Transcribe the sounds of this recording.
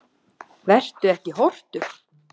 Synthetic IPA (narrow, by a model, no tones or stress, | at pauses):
vɛr̥t̪ʏɛhcɪɦɔr̥t̪ʏ